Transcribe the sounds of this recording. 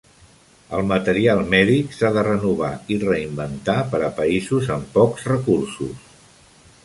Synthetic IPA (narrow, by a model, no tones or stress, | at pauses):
ə̰lˠmət̪əɾialˠmɛðiksaðərənuβ̞airəimbənt̪apəɾəpəizuzəmpɔkzrəkursṵs